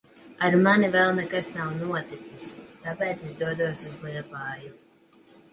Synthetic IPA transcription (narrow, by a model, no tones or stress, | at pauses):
aɾmanivɛlˠnɛkasnawnuɔt̪it̪sist̪apɛːt̪sɛsd̪uɔd̪uɔsuzlˠiɛpaːju